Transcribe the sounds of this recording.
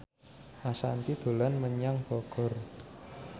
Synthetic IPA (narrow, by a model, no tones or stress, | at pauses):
ʔasant̪id̪̥o̤lanməɲaŋb̥ɔɡ̥ɔ̤r